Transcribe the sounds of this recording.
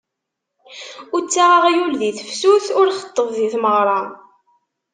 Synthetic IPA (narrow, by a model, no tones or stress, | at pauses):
ʊt͡sːaʁaʁijulðiθəfsuθʊɾχə̥t̪ˤːəvðiθməʁɾˤɑ